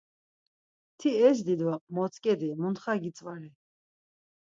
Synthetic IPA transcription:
t̪ʰiɛs̬d̪id̪ɔmɔt͡sʼkʼɛd̪imunt̪χaɡit͡sʼvali

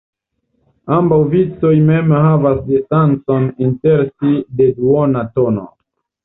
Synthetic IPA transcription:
ambawvit͡sojmemhavasdistant͡ssoninteɾsideduonatono̰

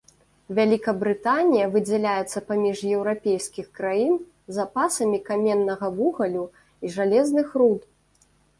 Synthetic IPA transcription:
vʲalʲikɐbɾɨt̪anʲijɐvɨd͡zʲɛlʲajɛt̪sːɐpamʲiʂjɛwɾapʲejskʲixkɾajin | zapasɐmʲikamʲɛnːɐɣɐvuɣɐlʲu | iʐalʲɛznɨxrut̪

